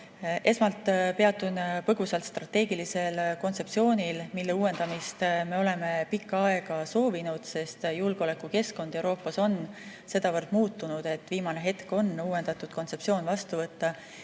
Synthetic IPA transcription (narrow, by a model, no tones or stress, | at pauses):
ʔe̞smɑlt̪ːˑpe̞ɑt̪ːˑunpɤɡ̥usɑlt̪st̪rɑt̪ːe̞ːɡ̥ilise̞lko̞nt̪se̞psio̞ːnʲilmilːeuːwe̞nd̪̥ɑmist̪me̞o̞le̞me̞pikːɑɑe̞ɡ̥ɑso̞ːvinud̪̥se̞st̪julɡ̥eo̞lekːˑuke̞sko̞nd̪̥e̞wɾoːpːˑɑso̞n | se̞d̪̥ɑvɤrd̪̥muːt̪ːˑunud̪̥e̞t̪ːˑviːmɑneɦe̞t̪ko̞nːuːwe̞nd̪̥ɑt̪ːˑud̪̥̚ko̞nt̪se̞psio̞ːnvɑst̪uvɤt̪ːɑ